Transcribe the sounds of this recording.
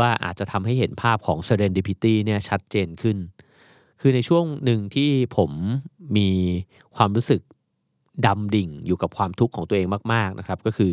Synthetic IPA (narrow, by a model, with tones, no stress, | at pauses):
waː˥˩ʔa̰ː˨˩t̪̚t͡ɕa˨˩t̪ʰa˧mɦa˥˩jɦe˩˦npʰaː˥˩p̚kʰɔː˩˦ŋsa˧ɾeː˧ndiː˧pʰi˦˥t̪iː˥˩ni˥˩ɐt͡ɕʰa˦˥t̪̚t͡ɕeː˧nkʰɯ˥˩n | kʰɯː˧na˧jt͡ɕʰu˥˩əŋnɯ˨ŋt̪ʰiː˥˩pʰo˩˦mːiː˧ | kʰwaː˧mɾuː˦˥sɯ˨˩k̚ | da˧mdi˨˩ŋjuː˨˩ka˨˩p̚kʰwaː˧mt̪ʰu˦˥kʰːɔː˩˦ŋt̪u˧əʔeː˧ŋmaː˥˩k̚maː˥˩k̚nʔa˦˥kʰɾa˦˥p̚kɔː˥˩kʰɯː˧